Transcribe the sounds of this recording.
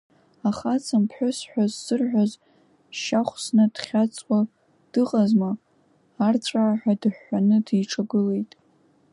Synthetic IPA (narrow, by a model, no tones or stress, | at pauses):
aχat͡sʰampʰħʷᶣʊsħʷᶣazːɨrħᶣʷaz | ʃaχʷsnɨd̥χʲat͡sʼwa | d̥ɨqʼazmaː | rt͡sʷʼaːħʷᶣadɨħːanɨdijʈ͡ʂʰaɡɨle̞jtʼ